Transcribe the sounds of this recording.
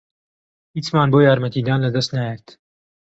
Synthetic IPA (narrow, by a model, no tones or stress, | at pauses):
hiːt͡smaːnboːjaːɾmɐt̪iːd̪aːnlɐd̪ɐst̪najɛɾt̪